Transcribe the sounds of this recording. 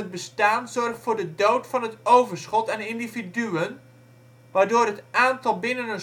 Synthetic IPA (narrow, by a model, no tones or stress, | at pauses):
ət̚bəstaːnzɔrχtfʊːɹdədowtfɑnɦətowvərsχɔtɛnɪndividyən | ʋaːɹdoːɾɦətʔaːntɑlˠbɪnənən